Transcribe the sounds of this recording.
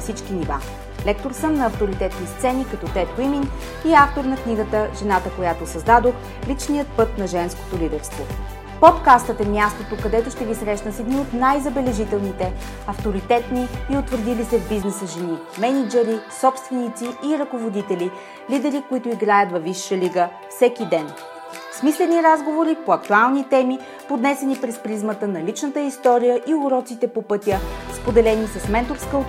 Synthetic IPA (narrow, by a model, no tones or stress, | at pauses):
nɐfsit͡ʃk̟iniva̰ | lɛk̚t̪oɾsəmnɐːft̪oɾit̪ɛt̪nist̪sɛnikɐt̪ɔt̪ɛt̪̚wimin | iaft̪oɾnɐkniɡət̪əʒɛnat̪əkojat̪osɐzd̪ad̪ox | lit͡ʃnijət̪̚pɤt̪nɐʒɛnsko̥t̪olid̪ɛɾst̪vo | pot̪kast̪ət̪ɛmʲjast̪ot̪okɐd̪ɛt̪oʃt̪ɛvisɾɛʃnəsɛd̪niot̪najzɐbɛlɛʒit̪ɛlˠnit̪ɛ | ɐft̪oɾit̪ɛt̪niːʊt̪vəɾd̪ilisɛvbiznɛsəʒɛni | mɛnid͡ʒɛɾisɔpst̪vɛnit̪siʔːɾɐkovod̪it̪ɛli | lid̪ɛɾikoit̪ʊiɡɾajət̪vɐvːiʃːəliɡə | fsɛkid̪ɛn | smislɛniɾazɡovoɾipoɐk̚t̪ualˠnit̪ɛmi | pod̪nɛsɛnipɾɛspɾizmət̪ənɐlit͡ʃnət̪əist̪ɔɾijəʔiʊɾɔt̪sit̪ɛpopɤt̪ʲjəspod̪ɛlɛnisɐsmɛnt̪oɾskə